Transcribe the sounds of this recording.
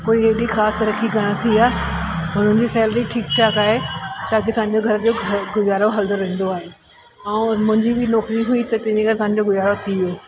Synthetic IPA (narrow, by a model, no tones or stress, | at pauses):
koːiɦɪɗixaːst̪ɐɾəkikɐɽ̃t̪ʰiaːɦɦʊn̤ənd͡ʑiːsɛːləɾiʈʰiːk̚t͡ɕʰaːkaːɦet̪aːkiɐsãːɲ̆d͡ʑoɡʱɐɾəd͡ʑoːɡʱɡʊjaːɾoɦɐld̪oɾɐ̃ɦn̆d̪oaːɦe | ɛ̃ːmʊ̃ɦɪ̃ɲd͡ʑibʱɪnɔːkɾiɦʊit̪ɐt̪ɐ̃ɪ̃ɲd͡ʑiɡɐɾt̪sɐsãɲ̆d͡ʑoɡʊjaːɾot̪ʰieː